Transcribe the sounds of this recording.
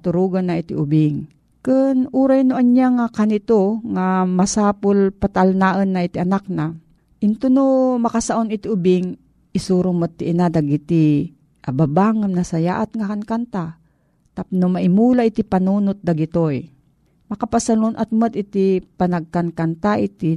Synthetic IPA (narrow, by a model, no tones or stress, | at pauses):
t̪ʊɾuɡanːaʔit̪ḭʔʊbɪŋ | kɨnuɾajnʊʔaɲjaŋakanit̪oŋamasaːpʊlpat̪alnaʔənːaʔit̪iʔanak̚na | ʔɪnt̪unomakasaʔonɪt̪ɪʊbɪŋ | ʔɪsuɾʊŋmət̪̚ːiʔinad̪aɡit̪i | ʔababaŋːamnasajaʔat̪ŋakaŋkant̪a | t̪apnʊmaʔɪmuːlaʔit̪ipanuːnʊt̪̚d̪aɡit̪oj | makapasalʊnʔat̪̚mət̪ʔɪt̪ipanaɡ̚kankant̪aʔit̪i